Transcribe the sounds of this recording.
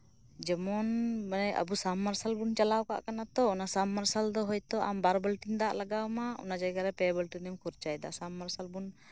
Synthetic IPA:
d͡ʒɛmɔnmanaja̰busamːaɾsalbunt͡ʃalawka̰ʔkanat̪ɔɔnasamːaɾsald̪ɔɦɔjt̪ɔʔa̰mbaɾbəlʈind̪aʔlaɡawmaɔ̰nad͡ʒajɡaɾɛpɛbəlʈ̪inɛmkuɾt͡ʃajd̪a̰ʔsamːaɾsalbun

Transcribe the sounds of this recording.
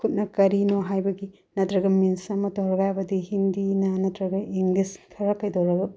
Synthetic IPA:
kʰut̚nɐkɐɾinoɦajbɐɡi | nɐtɾɐɡɐminsɐmɐtoɾɡajbɐdihindinɐnɐtɾɐɡɐiŋliskʰɐɾɐkɐjdowɾɐɡɐ

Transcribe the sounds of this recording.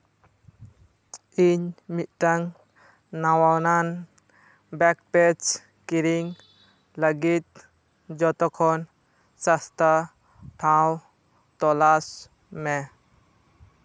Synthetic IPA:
iɲmit̪̚ˀʈaŋ | nawawnan | bɛk̚pɛd͡ʒ | kiɾiŋ | laɡit̪̚ | d͡ʒɔt̪ɔkʰɔn | sast̪a | ʈʰaw | t̪ɔlas | mɛ

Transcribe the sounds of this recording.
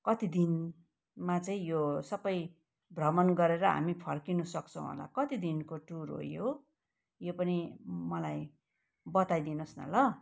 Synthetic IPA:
kʌt̪id̪in | mat͡sʌĩjosʌbʌj | bʱrʌmʌnɡʌɾeɾʌɦa̰mipʰʌrkinusʌkt͡sʰʌ̃w̃ɦo̰la̰kʌt̪id̪inkoʈurɦo̰jo | jopʌnimʌlaj | bʌt̪ajd̪inosnʌ̰lʌ

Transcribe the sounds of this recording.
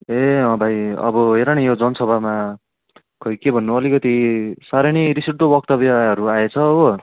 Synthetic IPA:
eʌ̃bʱajʌ̰bʌɦeɾanijod͡zʌnʌsʌbʱama | kʰʌjkebʱʌnːuʌlikʌt̪isaɾiɽ̃iɾisiʈʈ̪obʌk̚t̪ʌbjaɦʌɾuaet͡sʰʌːbʌ

